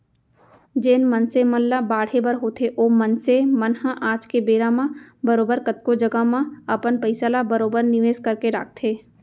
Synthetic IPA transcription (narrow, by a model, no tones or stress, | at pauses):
d͡ʒeːnmənseməlːabaːɽ̤ebəɾɦoːt̪ʰeʔoːmənsemənɦãʔaːd͡ʒkebeːɾamãbəɾoːbəɾkət̪̚kod͡ʒəɡamãɐpənpəɪsalabəɾoːbəɾnɪʋeːskɐɾkeɾa̰ːk̚ʰt̪ʰeː